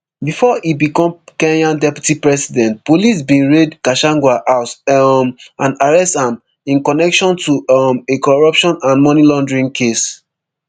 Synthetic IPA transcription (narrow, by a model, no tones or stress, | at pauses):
bifɔibikɔ̃mkɛ̃njãndɛpju̥tipɹɛsidɛ̃nt̚polis̬bĩnɹedkaʃãŋɡwaʔaʊtmãnaɹɛstãm | ĩnkɔnɛkʃɔ̃ntumekɔɹɔpʃɔ̃nãnmɔnilɔ̃ndɹĩŋkʰes